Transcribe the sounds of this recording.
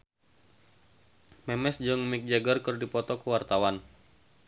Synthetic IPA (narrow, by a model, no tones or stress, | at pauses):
mɛmɛsd͡ʒʊŋmik̚d͡ʒaɡərkɨrdipɔt̪ɔkəwart̪awan